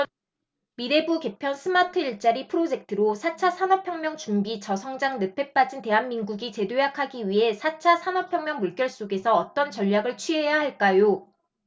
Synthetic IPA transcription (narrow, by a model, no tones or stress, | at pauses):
miɾe̞buke̞pʰjʌnsʰɯmatʰɯiɭt͡ɕ͈aɾipʰɯɾod͡ʑe̞k̚tʰɯɾosʰat͡ɕʰasʰanʌpʰjʌŋmjʌŋt͡ɕumbit͡ɕʌsʰʌŋd͡ʑaŋnɯpʰe̞p͈ad͡ʑinte̞ɦanminɡuɡit͡ɕe̞dojakʰaɡiɥiɦe̞sʰat͡ɕʰasʰanʌpʰjʌŋmjʌŋmuɭk͈jʌɭs͈oɡe̞sʰʌʌt͈ʌnt͡ɕʌʎːjaɡɯɭt͡ɕʰɥie̞jaɦaɭk͈ajo